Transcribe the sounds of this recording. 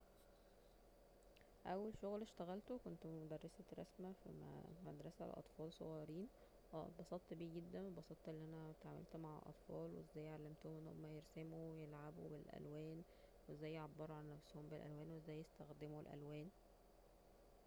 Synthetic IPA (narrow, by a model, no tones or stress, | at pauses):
ʔæwːælʃoɣlʃt̪æɣælt̪okont̪mod̪ærˤːɑsæɾˤɑ̰smæffmæd̪ɾˤɑsæ̰lʔɑ̰t̪ˤfɑːlsˤo̰ɣɑjɑɾiːn | wæ̰bɑsˤɑːt̪ˤːbiːɡed̪ːænwebɑsˤɑt̪ˤʔelːiʔænæt̪ʕamḛlt̪maʕ̰lʔɑ̰t̪ˤfɑːlwezːæːjːʕalːæmt̪ohomʔenːho̰mːæjeɾsæmuwejelʕabṵbelʔæ̰lwæːn | wezːæːjːʕabːɑɾˤuʕalnnæfshombelʔæ̰lwæːnweezːæːjːest̪æxd̪emoelʔæ̰lwæːn